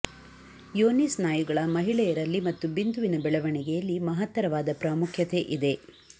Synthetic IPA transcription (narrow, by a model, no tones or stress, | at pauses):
joːnisnaːjuɡɐɭɐmɐɦiɭɛjɐɾɐlːimɐt̪ːubind̪uʋinɐbɛɭɐʋɐɳɛɡejɐlːimɐɦɐt̪ːɐɾɐʋaːd̪ɐpɾaːmukʰjɐt̪e̞ʔid̪e̞